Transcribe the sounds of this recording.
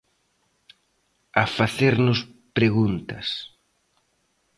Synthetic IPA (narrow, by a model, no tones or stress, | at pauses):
afaθeɾnʊs | pɾeɣunt̪ɐ̰s